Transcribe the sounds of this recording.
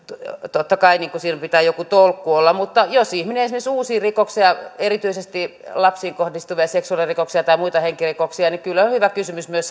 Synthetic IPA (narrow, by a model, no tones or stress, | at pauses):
t̪ot̪ːɑkɑiniːŋkusiːnopit̪æːjokut̪olkːuolːɑmut̪ːɑjosihmineisimːsuːsiːrikoksiɑerit̪yisest̪ilɑpsiːŋkohdist̪uʋiɑseksuɑlirikoksiɑt̪ɑimuit̪ɑheŋkirikoksiɑnikylːonhyʋækysymysmyøs